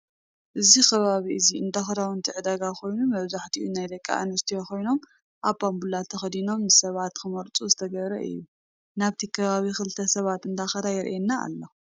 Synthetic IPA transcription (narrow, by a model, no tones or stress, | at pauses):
ʔɨzikʰɐβaβiʔɨziɨnd̪axɐd̪awɨnt̪ʰiʕɨd̪aɡakʰo̞jnumɐβzaħt̪ʰiʔunajd̪ɐkʼːa̰ʔɨnɐɾt̪ʰijoko̞jno̞m | ʔaβpambulat̪ʰɐxɐd̪ino̞mnɨsɐβat̪kʰɨmɐɾt͡sʼuzɨt̪ʰɐɡɐβɾɐ̰ʔɨ̰jːu | naβt̪ʰikʰɐβaβixɨlɨt̪ʰɐsɐβat̪ɨnd̪axɐd̪ajɛɾʔenːaa̰lːɐ